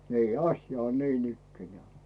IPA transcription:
niː ɑsjɑ on niːnikːenĕæˑ

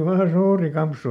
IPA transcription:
oːli ʋɑː suːri kɑmpsu

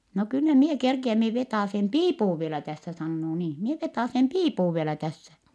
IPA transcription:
no kylːæ mie kerkiæm mie ʋetɑˑsem piːpuʋ ʋielæ tæsːæ sɑnːoː niːn̞ mie ʋetɑˑsem piːpuʋ ʋielæ tæsːæ

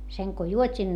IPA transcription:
seŋ ko juotʲin

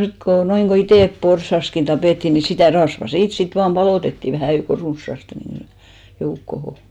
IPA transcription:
sit ko noiŋɡ̊o iteˑp porsɑskin tɑpeˑtːi ni sitæˑ rɑsʋɑ siːt sit ʋɑːm b̥ɑloˑtetːiˑ ʋæhæˑ jouko runsːɑste ni joukːoho

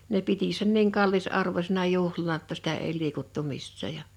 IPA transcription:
ne piti sen niːŋ kɑlːisɑrʋosʲenɑ juhlɑnɑ tːɑ sitæ ei liːkutːu misːæˑ jɑ

